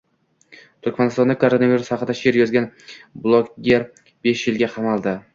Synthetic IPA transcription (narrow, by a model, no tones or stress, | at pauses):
t̪ʰʊɾkʲmanɪst̪ɒnd̪akʰoɾonaviɾushɑqɨd̪aʃeɾjɒzɡʲanblˠoɡʲeɾ | be̞ʃjɪlɡʲaqʰɑmalˠd̪ɪ